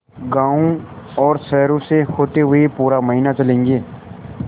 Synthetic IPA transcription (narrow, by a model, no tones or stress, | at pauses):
ɡãːũ | ɔːɾsɛːɾõsehoːt̪eɦʊepuːɾaməɦiːnat͡ʃəlẽːŋɡeː